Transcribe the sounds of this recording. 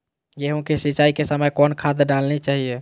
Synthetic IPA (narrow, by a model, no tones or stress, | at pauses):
jeɦũkesit͡ʃaikesəməjkɔnkʰad̪eɖalnet͡ʃaɦie